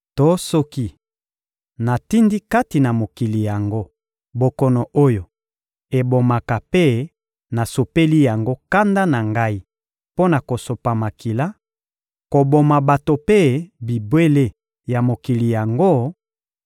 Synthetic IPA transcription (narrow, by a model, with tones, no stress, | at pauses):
to˦sɔ˦ki˦ | na˨ti˦ndi˦ka˦ti˨na˨mo˨ki˨li˨ja˨ŋɡo˦ | bo˨kɔ˨nɔ˨ʔo˦jo˨ | e˨bo˨ma˨ka˨pe˦ | na˨so˨pe˦li˦ja˨ŋɡo˦ka˦nda˦na˨ŋɡa˦i˦ | po˦na˨ko˨so˨pa˨ma˨ki˨la˦ | ko˨bo˨ma˨ba˨to˨pe˦bi˨bwe˦le˦ | ja˨mo˨ki˨li˨ja˨ŋɡo˦